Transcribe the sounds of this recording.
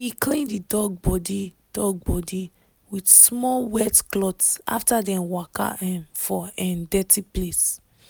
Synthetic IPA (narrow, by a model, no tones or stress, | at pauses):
hiklĩndidɔɡ̚bɔdi | d̥ɔɡ̚bɔdi | widsmɔwɛtklɔtsʔa̰ftadɛ̃mwaka̰ʔɛ̃nfɔɛ̃ndɛtʰiples